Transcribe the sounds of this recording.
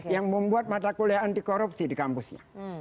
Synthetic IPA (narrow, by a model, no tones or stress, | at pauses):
jaŋməmbuat̪̚mat̪akoliaandikoɾup̚sidikampusɲa̰